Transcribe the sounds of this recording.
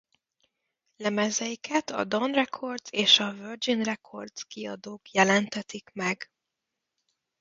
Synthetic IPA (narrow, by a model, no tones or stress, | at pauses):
lɛmɛzɛjikʰɛt̪ɒ̰d̪onrɛkʰo̞rd̪zeːʃɒvørd͡ʒinrɛkʰo̞rd̪skiɒd̪oːkjɛlɛnt̪ɛt̪ikmɛɡ